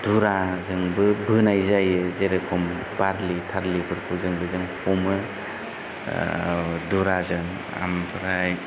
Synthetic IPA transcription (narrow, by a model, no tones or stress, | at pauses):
d̥uɾazɯŋbɯbʱɯnajzajɯzeɾekʰɔm | baɾlitʰaɾlipʰɯɾpʰuzɯŋbɯzɯŋhɔmɯ | duɾazɯŋ | a̰mpʰɯɾaj